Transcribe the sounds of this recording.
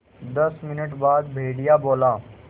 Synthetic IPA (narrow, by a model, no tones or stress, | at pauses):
d̪ɐsmɪnəʈbaːd̪bʱeːɽijaboːlaː